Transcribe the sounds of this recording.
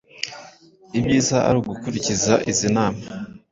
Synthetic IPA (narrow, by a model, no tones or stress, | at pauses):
ibɟiːzaʔa̰ɾuːɡukuɾicizaʔizinaːma